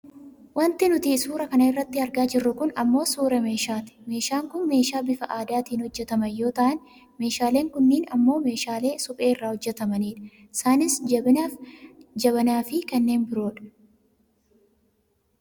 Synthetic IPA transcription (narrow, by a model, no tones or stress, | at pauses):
wɐnt̪ɪnʊt̪iːsuːɾɐkɐnɐɪrːɐt̪ːɪɐɾɡaːd͡ʒɪrːʊkʊnɐmːo̞ːsuːɾɛme̞ːʃaːt̪ɪ̥me̞ːʃaːŋkʊnme̞ːʃaːbɪfɐʔaːd̪aːt̪iːnhɔd͡ʒːɛt̪ɐmɐjo̞ːt̪ɐʔɐn | me̞ːʃaːle̞ːŋkʊnːiːnɐmːo̞ːme̞ːʃaːle̞ːsʊpʼe̞ːɪrːaːhɔd͡ʒːɛt̪ɐmɐniːᶑɐ̥ | ɪsaːnɪsɪaːfd͡ʒɐβɐnaːfɪkɐnːeːnbɪɾo̞ːᶑɐ̥